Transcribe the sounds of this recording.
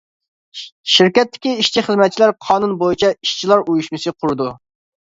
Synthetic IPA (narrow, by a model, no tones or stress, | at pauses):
ʃiɾkʲɛt̪ʰːɪ̥kʲiiʃt͡ʃʰiχəzmɛt̪̚t͡ʃʰilæɾqʰɑːnunbojit͡ʃʰɛiʃt͡ʃʰilˠɑɾujuʃmɨsɨqʰʊɾɨd̪u